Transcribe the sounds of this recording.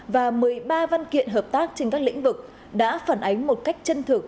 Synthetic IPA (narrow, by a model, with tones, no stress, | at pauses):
vaː˨˩mɨ˨˩əjɓaː˧va˧nkḭ˧˨ənɦəː˨˩p̚t̪aː˦˥k̚t͡ɕe˧ŋkaː˦˥k̚lḭ̈˧˥ŋ̟vɨ˨˩k̚ | ɗa̰ː˧˥faː˧˩nʔa˨˦jŋ̟mo˨˩t̚ka˦˥jk̟̚t͡ɕə˧nt̪ʰɨ˨˩ək̚